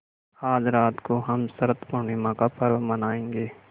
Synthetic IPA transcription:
aːd͡ʒɾaːt̪koɦɐmsɐɾt̪pʊɳimãkapɐɾʋmɐnaːẽːŋɡeː

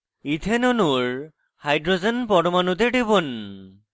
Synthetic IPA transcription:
it̪ʰenonuɹ | hajɖɾozenpɔɽomanud̪eɖibon

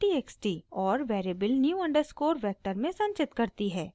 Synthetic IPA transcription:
ʈiːeːksʈiːɔːɾʋɛːɾeːbəlnjuːɐ̃ɳɖəɾskoːɾʋɛːk̚ʈəɾmẽsɐ̃ɲt͡ʃɪt̪kɐɾt̪iɦɛː

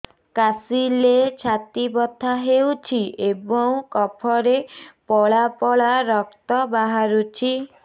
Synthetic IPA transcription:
kasilet͡ʃʰat̪ibɔt̪ʰaɦewt͡ʃʰiʔebɔŋkɔpʰɔɾepɔɭapɔɭaɾɔk̚t̪ɔbaɦaɾut͡ʃʰi

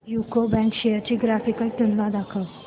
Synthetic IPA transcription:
jukobɛ̃ŋkɕejəɾt͡ɕiːɡɾafikəlʈ̪unlãd̪akʰəw

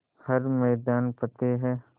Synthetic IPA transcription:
hɐɾmɛːd̪aːnpɐt̪eɦɛː

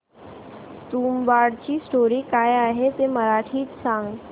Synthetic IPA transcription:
t̪uːmʋaɽt͡ɕiːsʈoɾiːkajaɦet̪eməɾaʈʰiːtsãŋɡ

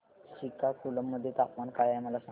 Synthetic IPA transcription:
ɕikakuləmːəd̪ʱːjet̪apmankajamalasa

